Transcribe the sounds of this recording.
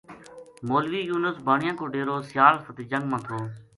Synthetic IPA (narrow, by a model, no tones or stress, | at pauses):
moːlʋiːjuːnəsbaːɳɪjãːkoːɖeːɾoːsɪjaːɾsət̪iːd͡ʒəŋɡmãːt̪ʰoː